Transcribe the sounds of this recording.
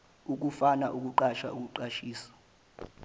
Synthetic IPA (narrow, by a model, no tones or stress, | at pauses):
uk̬ufanaʔuk̬uǃaʃa̰uk̬uǃaʃiːsḁ